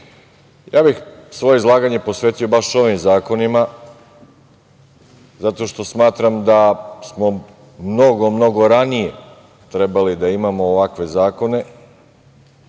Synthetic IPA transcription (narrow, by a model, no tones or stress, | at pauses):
jaːbixsʋo̞je̞izlˠaːɡaɲe̞po̞sʋeːt̪io̞baʃo̞ʋimzaːko̞nima | zat̪o̞ʃt̪o̞smaːt̪ɾamd̪asmo̞ | mno̞ɡo̞mno̞ɡo̞ɾanije̞ | t̪ɾe̞balid̪aimamoːʋakʋe̞zaːko̞ne̞